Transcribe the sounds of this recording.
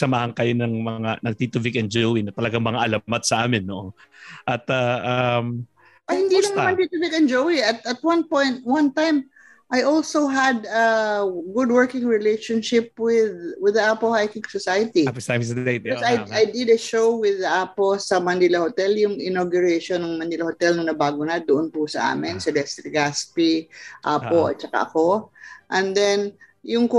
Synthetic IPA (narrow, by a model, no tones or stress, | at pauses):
sɐmaːhɐŋkɐjonɐŋmɐŋanɐɡ̚t̪it̪ʊvikɐnd͡ʒowinɐt̪ɐlɐɡaŋmɐŋaʔɐlamat̪sɐʔaːmɪnːoʔo | ʔɐt̪ɐʔam | ɐhɪnd̪ilɐŋnɐmãnt̪it̪ʊvɪkɐ̃nd͡ʒowiɐt̪ɐt̪̚wɐ̃npɔ̃jnt̪̚wɐ̃nt̪ãjm | ʔajʔoɔlsoɦɐd̪ɐɡʊd̪wɜɹkɪ̃ŋɹɪlejʃonʃɪp̚wɪðwɪðɐʔapohajkɪŋsosajɐt̪ipamseosajajd̪ɪd̪ɐʃowwɪðɐʔaposɐmɐnilɐhot̪ɛljʊŋʔɪnoɡjʊɹeʃonɐŋmɐnilɐhot̪ɛlnɐŋnɐbaːɡʊnɐd̪ʊʔonpʊsɐʔa̰ːmɪnsɐd̪ɛst̪ɾiɡaspiʔaːpoʔɐ̰t̪̚t͡ʃɐka̰ʔɐ̰ko̞ʔɛ̃nd̪ɛnjʊŋko